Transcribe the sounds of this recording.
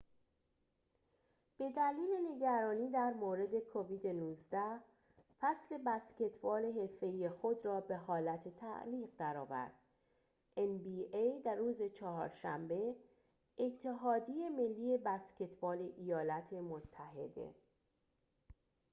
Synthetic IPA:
b̥e̞d̪æliːle̞ne̞ɟæɾɒːniːd̪æɾmoːɾe̞d̪e̞kʰoviːd̪enuːzd̪æ | fæsle̞bæsce̞t̪ʰbɒːle̞ɦe̞lfe̞iːje̞xo̞d̪rɒːbe̞ɦɒːlæt̪ʰet̪ʰæ̰ʔliːɣd̪æɾɒːvæ̰ɾd̪̥ | ʔenbiejd̪æruːzet͡ʃʰɒɦɒ̰ːɾʃæ̰mbe̞ | ʔːt̪ʰːe̞ɦɒːd̪ije̞me̞lːiːje̞bæsce̞t̪bɒːle̞ʔijɒːlæt̪ʰe̞mot̪ʰːæɦe̞̰d̪e̞̰

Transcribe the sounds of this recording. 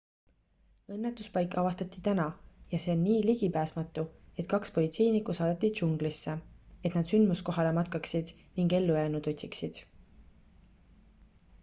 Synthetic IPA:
ɤ̞nːet̪ːˑuspɑjkːˑɑvɑst̪ɑt̪ːit̪ænɑjɑse̞ːonniːliɡ̥ipæːsmɑt̪ːˑue̞t̪kɑkspo̞lʲit̪se̞jnikːˑusɑːd̪̥ɑt̪ːˑid̪ʃuŋɡ̥lisːee̞t̪nɑd̪̥synd̪musko̞ɦɑle̞mɑt̪kɑksid̪̥ | niŋɡe̞lːujæːnut̪ot̪ʲsiksid̪̥

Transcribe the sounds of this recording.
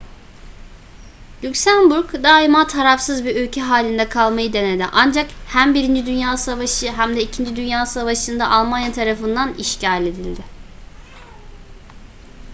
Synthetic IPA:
lʲycsænbuɾkd̪aːimat̪ʰaɾafsɯzbiølʲcʰɛɦaːlʲind̪ɛkʰalˠmajɯd̪e̞ned̪ɪ̰ʔand͡ʒakhæmbiɾind͡ʒid̪ynjaːsavaʃɯɦæmd̪ɛicʰind͡ʒid̪ynjaːsavaʃɯnd̪aʔalˠmanjat̪ʰaɾafɯnd̪aniʃcʰalʲe̞d̪ilʲd̪ɪ

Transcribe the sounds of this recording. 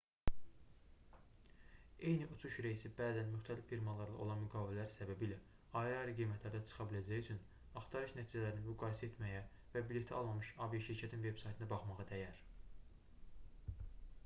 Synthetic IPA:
e̞jniʔut͡ʃʰuʃɾeisibæːzænmyxt̪ʰælifːiɾmɑlˠɑɾlɑ̰ʔo̞lˠɑnmyɡɑːbillæɾsæbæbilæ | ɑiɾɑɾiɡijmæt̪ʰlæɾd̪æt͡ʃʰɯ̥χɑbilæd͡ʒæjyt͡ʃʰyn | ɑχt̪ʰɑɾɯʃnæt̪ʰiːd͡ʒælæɾininmyɡɑːiset̪mæjæ | væbilet̪ʰiɑlˠmɑmɯʃɑvijɑʃiɾcʰæt̪ʰinve̞bsɑjt̪ʰɯnɑbɑχmɑʁɑd̪æjæɾ

